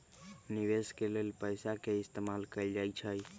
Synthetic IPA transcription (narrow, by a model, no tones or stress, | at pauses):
niʋeskelelpəjsakeɪst̪emalkəɪld͡ʒajt͡ʃʰəj